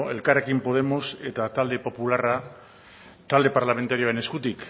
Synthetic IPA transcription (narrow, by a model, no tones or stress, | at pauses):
e̞lkare̞kimpo̞ð̞e̞mo̞se̞t̪at̪ald̪e̞po̞pulara | t̪ald̪e̞paɾlame̞nt̪aɾioene̞skut̪ik